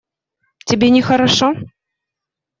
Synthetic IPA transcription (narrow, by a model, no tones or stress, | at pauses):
tʲɛbʲenʲɛxɐɾaʂɔ